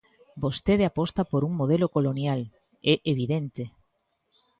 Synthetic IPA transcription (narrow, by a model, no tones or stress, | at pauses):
bost̪eðeapɔst̪apoɾuŋmoð̞elokolonjal | ɛʔeβ̞iðent̪e